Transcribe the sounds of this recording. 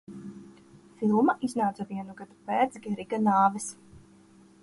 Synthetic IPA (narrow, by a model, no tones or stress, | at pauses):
filˠmaʔiznaːt̪zaviɛnuɡad̪upɛːt̪sɡʲɛɾiɡanaːvɛs